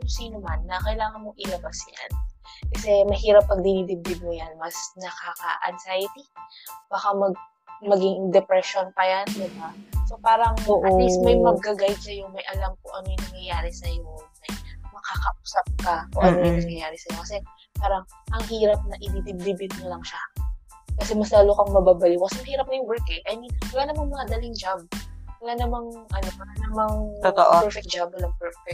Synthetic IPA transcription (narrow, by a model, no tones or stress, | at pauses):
siːnomanːɐkɐjlaːŋɐnmo̞ʔɪlɐbasja̰nkɐsɛmɐhiːɾɐp̚ːɐɡ̚d̪ɪnid̪ɪb̚bɪɡ̪̚mʊjanmɐsnɐkaːkɐ̰ʔɐ̰nsajɪt̪ib̥aːkamɐɡ̚ | mɐɡɪŋd̪ɛpɾɛʃonpɐjand̪ɪbaso̞paːɾɐŋoʔɐd̪ɪsmɐjmɐɡ̚ːɐɡajsɐjoŋmɐjʔɐlamkʊʔɐnojʊŋnɐŋjɐjaːɾɪsɐjomɐjmɐkakɐʔuːsɐp̚kɐkʊʔɐnojʊŋnɐŋjɐjaːɾɪsɐjokɐsɛ | paːɾɐŋ | ʔɐŋhiːɾɐp̚nɐʔɪb̪ibib̚bibɪnɪŋlɐŋʃa | kɐsɛmɐslaːlokɐŋmɐbaːbɐlikokɐsɛmɐhiːɾɐp̚nɐjʊŋwɛɹkɛʔɐjminwɐlanɐmaŋmɐŋad̪ɐliŋd͡ʒab̚wɐlanɐmaŋʔɐnopɐlanɐmaŋott̪oʔɛfɛk̚d͡ʒab̚wɐlampɛɹfɛk̚